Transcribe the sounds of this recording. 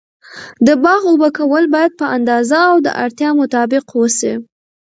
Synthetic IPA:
d̪əbɑɣobəkawəlbɑjad̪̚pəand̪ɑzaːwd̪ə̰ʔa̰ɾt̪jɑmʊt̪ɑbɪqwəsi

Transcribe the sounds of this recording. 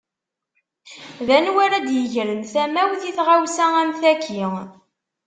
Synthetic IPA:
ðænwæɾæd̪jəʝɾənθæmæwθiθʁawsææmθækʰːi

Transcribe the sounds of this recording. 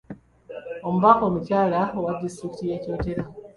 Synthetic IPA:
o̞muβako̞ːmucaːlaowadistɾiki̥tije̞ːco̞ːte̞ɾa

